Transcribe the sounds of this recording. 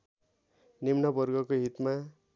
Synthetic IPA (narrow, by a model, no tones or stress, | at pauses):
nimnʌbʌrɡʌkoɦit̪ma